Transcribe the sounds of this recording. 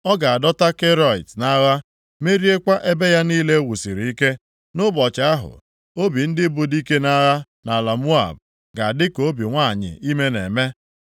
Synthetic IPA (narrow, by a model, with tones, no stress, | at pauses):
ɔ˦ɡa˨a˨dɔ˦ta˦ke˦ɾɔ˦˨i˨tna˦ɣa˦ | me˦ɾi˦e˦kʷa˦ʔe˦be˦ja˦niː˦le˦wu˨si˨ɾi˨i˦ke˦ | nʊ˦bɔ˨t͡ʃa˨a˦ɦʊ̰˨ | o˦bi˨n̩˦dɪ˦bu˨di˦ke˦na˦ɣa˦ | na˨la˨mu˦a̰˨b̚ | ɡa˨dɪ˦ko˨˦bi˨ŋʷa˦˨ɲɪ̰˨i˦me˦ne˨me˦